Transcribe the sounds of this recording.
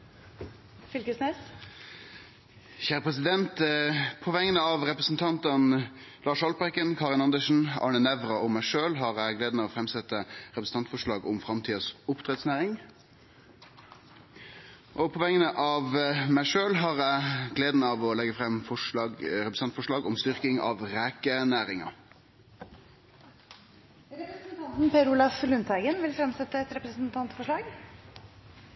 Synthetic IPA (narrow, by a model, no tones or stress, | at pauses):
fɪlkəsnes | çæːɾəpʰʁɛsɪd̪ɛnt̪pʰɔʋɛŋːənəɑʋʁɛpɾəsn̩t̪ʰɑnt̪ən | lɑːʂɑlpɛkənkʰɑːʁɪnɑnd̪əʂn̩ɑ̰ːɳənɛʋɾɑɔmæɪʂøːlɦɑʁæɪɡleːd̪nəɔfʁɛmsɛt̪ːəɾɛpɾəsn̩ɑnt̪fɔʂɭɑːɡʊmfɾɑmt̪ʰiːəsʊpt̪ʰʁɛt̪snæːɾɪŋ | ʔɔpʰɔʋɛŋənəʔɑʋmæɪʂøːlɦɑːʁæɪɡleːd̪nəɑʋɔlɛɡəfʁɛmfɔɑɾɛpɾəsɑnt̪fɔʂɭɑːɡɔmst̪ʏʁkɪŋɑ̰ʋʁæːkənæːʁɪŋɑ̰ | ɾɛpɾəsnt̪ʰɑnt̪n̩pʰeɾʊlɑflʉnt̪ʰæɪɡənʋɪlfɾɛmsɛt̪ːəɛt̪ɾɛpɾəsn̩t̪ʰɑnt̪fɔʂɭɑːɡ